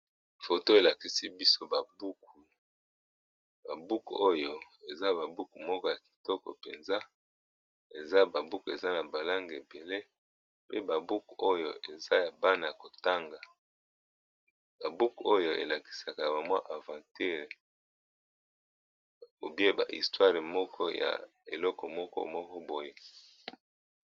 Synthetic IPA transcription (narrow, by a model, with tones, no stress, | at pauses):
fo˨to˦e˨la˨ki˨si˦bi˦so˦ba˨bu˦ku˨ | ba˨bu˦ku˨o˦jo˨e˨za˦ba˨bu˦ku˨mɔ˦kɔ˦ja˨ki̥˨tɔ˦kɔ̰˨pḛ˨nza˦ | e˨za˦ba˨bu˦ku˨e˨za˦na˨ba˨la˦ŋɡe˨be˨le˦ | pe˦ba˨bu˦ku˨o˦jo̰˨e˨za˦ja˨ba˦na˨ja˨ko˨ta˦ŋɡa˨ | ba˨bu˦ko˦jo˨ḛ˨la˨ki̥˨sa˨ka˨ba˨mwa˦ʔa˨vã˨ti˦ʁ | o˨bi˦e˦ba̰˨ʔḭ˨stwa˦ʁe˨mɔ˦kʰɔ˦ja̰˨ | e˨lɔ˦kɔ˨mɔ˦kɔ̰˦mɔ˦kɔ˦bo˦je˦